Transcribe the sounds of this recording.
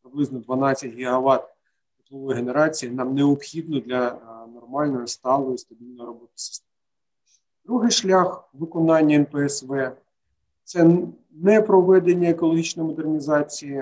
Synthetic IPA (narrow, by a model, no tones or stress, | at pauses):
pɾɪblˠɪznɔd̪ʋɐnɑt͡sʲːɐtʲɦʲɪɦɐʋɑt̪̚ | ʊplˠɔɔjɦeneɾɑt͡sʲijinɑmneɔpxʲid̪nɔd̪lʲɐnɔrmɑlʲnɔjɔst̪ɑlˠɔjist̪ɐbʲilʲnɔjɾɔbɔt̪ɪ̥sɪ̥st̪ɛmɪ | d̪̥ɾuɦɪjʃlʲaxʋɪkɔnɑnʲːɐɛnpeɛsʋɛ | t̪sɛ | nɛpɾɔʋɛd̪enʲːɐekɔlˠɔɦʲit͡ʃnɔjmɔd̪ernʲizɑt͡sʲijɪ